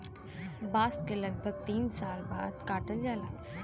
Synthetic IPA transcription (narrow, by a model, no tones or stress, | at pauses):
baːskelɐɡ̚bʱəɡ̚t̪iːnsaːlbaːd̪kaːʈəld͡ʒaːlaː